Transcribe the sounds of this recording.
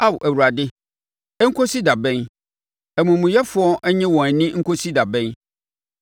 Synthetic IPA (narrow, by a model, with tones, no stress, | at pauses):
a˦˨wʔæ˨wu˨ɾa˨dɪ˦ | ɛ˦ŋ̩˦kʰo˦si˦da˨bɛ̃˦n | ɛ˨mũ˨mũ˨jɛ˦fʊ˦ɔ˦ʔɛ˦ɲɪ̃˦wɔ̃˨æ˨nĩ˦ŋ̩˦kʰo˦si˦da˨bɛ̃˦n